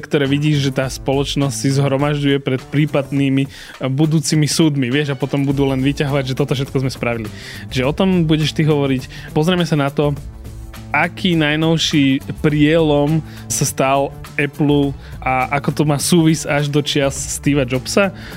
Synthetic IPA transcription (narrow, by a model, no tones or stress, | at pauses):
kt̪ɔɾɛːʋiɟiːʒʒɛt̪aːspɔlɔt͡ʃnɔscʲsizɦɾɔmaʒɟujɛpɾɛt̪pɾiːpad̪niːmi | bud̪uːt͡simisuːd̪miʋɪɛʒapɔt̪ɔmbud̪uːlɛnʋicaɦɔʋaɟʒɛt̪ɔt̪ɔfʃɛt̪̚kɔzmɛspɾaʋili | t͡ʃʒɛɔt̪ɔmbuɟɛʃt̪iɦɔʋɔɾic | pɔzɾɛmɛsanat̪ɔ | ʔakʰiːnajnɔʊʃipɾɪɛlɔm | sast̪al | ɛplu | ʔaʔakɔt̪ɔmaːsuːʋizaʒd̪ɔt͡ʃɪasst̪iːʋad͡ʒɔpsa